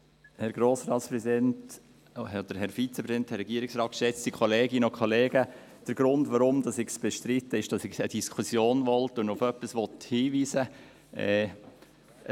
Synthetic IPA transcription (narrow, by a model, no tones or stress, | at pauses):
hɛɾɡɾoːsɾɑːtspɾɛzidɛnt | od̥əɾhɛɾfit͡sɛpʰɾɛsidɛnt̪hɛɾːɛɡiəɾɪksɾɑːt̚kʃɛt͡stikχɔleːɡɪnəokʰɔleːɡə | d̥əɾɡ̥ɾʊndʋɑɾʊmd̪ɑsɪɡsb̥ɛʃtɾɪt̪ːəɪʃd̥ɑsɪɡəd̥iskʰusjoːnʋɔltʊnʊfœpːəsʋɔthiːʋiːsə | ɛ